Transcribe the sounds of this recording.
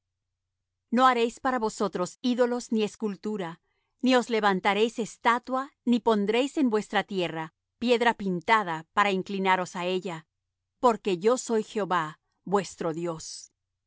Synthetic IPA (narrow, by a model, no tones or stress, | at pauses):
no̞aɾe̞jspaɾaβo̞so̞t̪ɾo̞siðo̞lo̞znie̞skult̪uɾa | nio̞zle̞βant̪aɾe̞jse̞st̪at̪wanipo̞nd̪ɾe̞jse̞nbwe̞st̪ɾat̪je̞ra | pje̞ðɾapint̪aðapaɾaiŋklinaɾo̞sae̞ʝa | po̞ɾke̞ʝo̞so̞jxeoβa | bwe̞st̪ɾo̞ðjo̞s